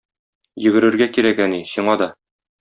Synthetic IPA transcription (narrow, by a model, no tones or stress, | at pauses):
jɵ̆ɡɘ̆ɾɘ̆ɾɡækiɾækæniɕiɴɑd̪ɒ